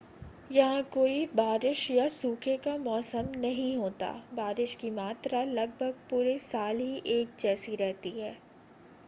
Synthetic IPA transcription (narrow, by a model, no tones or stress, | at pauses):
jɐɦãkoːibaːɾɪʃjasuːkʰekamɔːsəmnɐɦĩɦoːt̪a̰baːɾɪʃkimaːt̪ɾalɐɡ̚bʱəɡ̚puːɾesaːlɦiʔeːk̚d͡ʒɛːsiɾɛɦt̪iɦɛː